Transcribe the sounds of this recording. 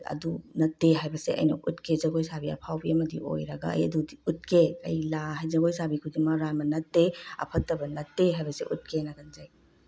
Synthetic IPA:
ɐ̰dunɐtːeɦajbɐseʔɐ̰jnɐʔutkʰezɐɡojsabiɐ̰pʰawbiɐmɐdḭʔo̰jɾɐɡɐɐ̰jɐdudiut̚kʰeɐjlahɐjzɐɡojsabikʰudimɐɾamɐnɐtːeɐ̰pʰɐtːɐbɐnɐtːeɦajbɐseʔut̚kʰenɐɡɐnzaj

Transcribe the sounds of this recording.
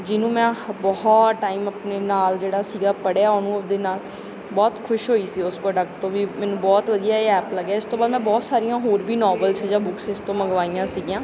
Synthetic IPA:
d͡ʒɪnũːmɛ̃ːbɔɦɔʈaːiːməpneːnaːld͡ʒeːɽaːsiːɡaːpəɽaːoːnũːd̪eːnaːl | bɔːt̪kʰʊʃɦoːiːsiːʊspɾoːɖək̚ʈt̪õːʋiːmɛ̃ːnũːbɔːt̪ʋəd̪ijaːeɛːpləɡjaːɪst̪õːbaːd̪mɛ̃ːbɔːt̪saːɾijãːɦoːɾʋiːnɔːbəlsd͡ʒãːbʊksɪst̪õːməɡʋaːijãːsiːɡijãː

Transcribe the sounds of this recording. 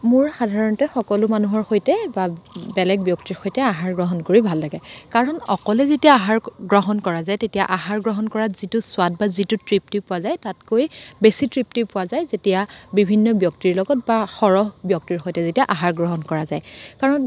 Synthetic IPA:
mʊɹxadʱaɹɔntɛxɔkɔlʊmanuɦɔɹxojtɛbabɛlɛɡ̚bjɔktiɹxojtɛaɦaɹɡɹɔɦɔnkoɹibʱalːaɡɛkaɹɔnɔkɔlɛzetijaːɦaɹɡɹɔɦɔnkɔɹazajtetijaʔaɦaɹɡɹɔɦɔnkɔɹazitʊswat̚bazitutɹip̚tipʊwazajtatkojbesitɹip̚tipʊwazajzetijabibʱinːɔbjɔktiɹlɔɡɔt̚baxɔɹɔɦbjɔk̚tiɹxojtɛzetijaʔaɦaɹɡɹɔɦɔnkɔɹazajkaɹɔn

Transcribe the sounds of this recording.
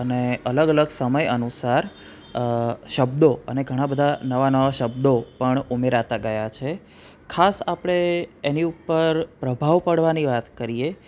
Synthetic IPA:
əneələɡələɡsəməjənusaɾ | ʃəb̚d̪oə̰neɡʱəɽ̃ãbəd̪ʱanəʋanəʋaʃəb̚d̪opəɳumeɾat̪aɡəjat͡ʃʰe | kʰasapɽ̃eeniupːəɾpɾəbʱaʋpəɽʋaniʋat̪kəɾije

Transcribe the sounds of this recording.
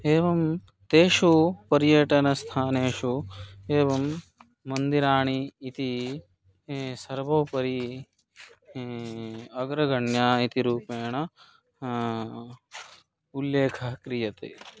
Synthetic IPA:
eːʋɐm | t̪eːʂupɐɾjɐʈɐnɐst̪ʰaːneːʂueːʋɐmː | ɐnd̪iɾaːɳiːt̪i | sɐɾʋoːpɐɾi | ɐɡɾɐɡɐɳjaːit̪iɾuːpeːɳɐ | ulːeːkʰɐkɾijɐt̪ḛː

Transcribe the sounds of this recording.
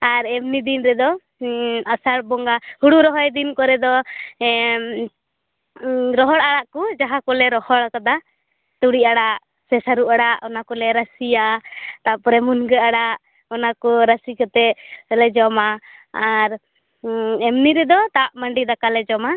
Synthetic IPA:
aɾɛmnid̪inɾɛd̪ɔ | asaɽbɔŋɡahuɽuɾɔɦɔjd̪inkɔɾɛd̪ɔ | ɾɔɦɔɽaɽaʔkud͡ʒaɦakɔlɛɾɔhɔɽkad̪a | t̪uɽiaɽaʔ | sɛsaɾuʔaɽaʔɔnakɔlɛɾasiat̪aʔpɾɛmunɡɛaɽaʔ | ɔnakɔɾasikɔt̪ɛlɛd͡ʒɔmaː | ɾ | ɛmniɾɛd̪ɔt̪aʔməɳɖid̪akalɛd͡ʒɔma

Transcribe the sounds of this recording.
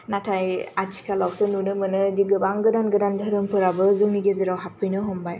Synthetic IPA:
natʰajat͡ʃʰi̥kʰalawsɯnunɯmɯnɯdiɡɯbaŋɡɯdanɡɯdandɯɾɯmpʰɯɾabɯzɯŋniɡezɯɾawɦapʰɯjnɯɦɔmbaj

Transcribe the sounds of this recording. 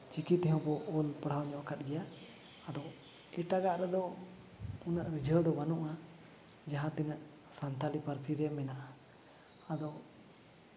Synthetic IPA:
t͡ʃikit̪ɦɔ̃wpɔʔɔlpəɽ̤awɲɔ̃ʔkat̪̚ɡɛjaː | d̪ɔ | ɛʈaɡaʔɾɛd̪ɔ | unaʔɾid͡ʒʱəwd̪ɔbanuʔa | d͡ʒaɦãt̪ɛnaʔ | sant̪alipaɾp̪ʰiɾɛmɛnaʔa | ad̪ɔ

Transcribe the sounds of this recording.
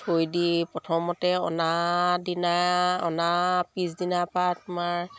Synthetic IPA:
sʰojdipɹɔtʰɔmɔtɛɔ̰nadinaɔnapisdinapatʊmaɹ

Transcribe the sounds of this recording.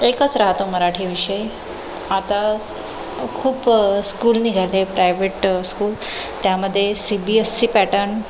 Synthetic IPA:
ekət͡sɾaɦt̪oməɾaʈʰiːʋiɕəj | at̪a | kʰuːpskuːlniːɡʱalepɾajʋeʈskuːl | t̪jaməd̪ʱːjesibiesːiːpæʈəɾn

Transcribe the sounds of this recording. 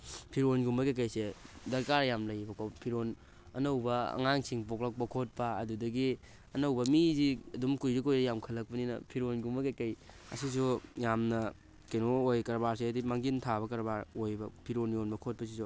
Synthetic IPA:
pʰiɾonɡumbɐkekɐjsedɐɾkaɾjamlɐjbɐkʰopʰiɾon | ɐ̰nɐwbɐɐ̰ŋaŋsiŋpoklɐk̚pɐkʰot̚pɐɐ̰dudɐɡi | ɐnɐwbɐmiziɐdumkujɾikojɾɐjamkʰɐlːɐk̚pɐninɐ̰pʰiɾonɡumbɐkekɐjɐ̰sis̬ujamnɐ | kɐjnoojkɐɾbaɾs̬edimaŋɡintʰaβɐkɐɾbaɾojbɐpʰiɾonjonbɐkʰot̚pɐs̬isu

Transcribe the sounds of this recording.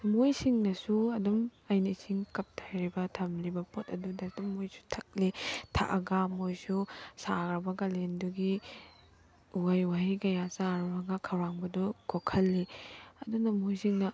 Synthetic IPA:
mojsiŋnɐsuɐdumɐjnisiŋkɐp̚tʰajɾibɐtʰɐmlibɐpʰotɐdudɐtɐmːojsu̥tʰɐk̚litʰa̰ʔɐɡɐmojsusaɡɾɐbɐɡɐlenduɡi | uwajwaɦikɐjasaɾɐbɐɡɐkʰɐwɾaŋbɐdukʰokʰɐlːiɐdunɐmojsiŋnɐ

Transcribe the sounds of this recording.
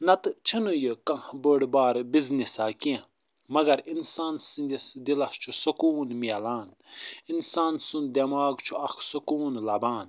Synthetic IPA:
nɐt̪ɨt͡ʃʰinujəkãhbəːɽbaːɾbiznisaːkiẽ | mɐɡɐɾinsaːnsind̪isd̪ilɐst͡ʃʰusɐkuːnmialaːn | insaːnsund̪ɐmaːɡt͡ʃʰuɐkʰsukuːnlɐbaːn

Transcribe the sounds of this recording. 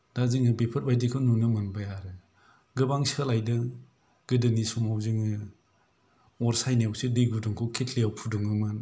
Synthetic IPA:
dazɯŋɯbepʰɯt̚bajdikʰɯnunɯmanbajaɾɯ | ɡɯbaŋsalajdɯ | ɡ̥ɯdɯnisɔmawzɯŋɯ | ɔɾsajniawsɯdijɡuduŋkʰɔwkʰetʰliawpʰuduŋɯman

